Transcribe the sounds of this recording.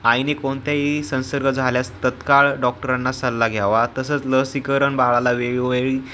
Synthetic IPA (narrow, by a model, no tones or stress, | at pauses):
ajnekoɳt̪jaɦisə̃ñsəɾɡʱəd͡zʱaljast̪ət̪kaɭɖɔk̚ʈəɾãnːasəlːaɡʱjaʋat̪əsət͡sləɦsikəɾəɳbaɭalaʋeɭʋeɭi